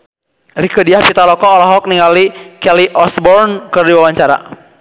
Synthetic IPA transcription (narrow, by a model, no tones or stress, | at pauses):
rikədiahpit̪alɔkɔːlaɦɔk̚niŋalikɛliʔɔsbɔrnkɨrdiwawaɲt͡ʃaɾa̰